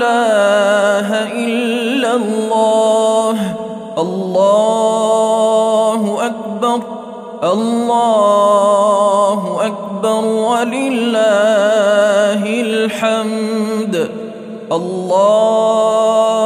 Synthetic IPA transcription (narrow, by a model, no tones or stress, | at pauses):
aː | ɦaʔɪlːalːaːɦ | ʔɑlːɑː | hʊʔak̚bɑɾˤ | ʔɑlːaː | ɦʊʔak̚bɑɾˤwalɪlːaː | hɪlħamd̪ | ʔɑlːɑː